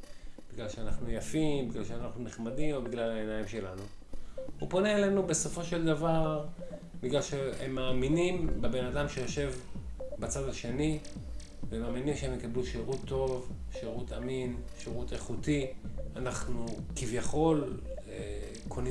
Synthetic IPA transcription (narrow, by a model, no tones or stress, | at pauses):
b̥iɡlalʃeanaχnujafimbiɡlalʃeanaχnuniχmad̪imo̞biɡlalaenajimʃe̞lanu | upo̞neele̞nube̞so̞fo̞ʃe̞ld̪avaʁ | biɡlalʃehemːaːminimbebenad̪amʃejoʃe̞vbat͡sad̪aʃe̞ni | vemaːminimʃeemjekabluʃeʁut̪ʰːo̞vʃeʁut̪aminʃeʁut̪eχut̪ianaχnukivjaχo̞l | e | kʰoni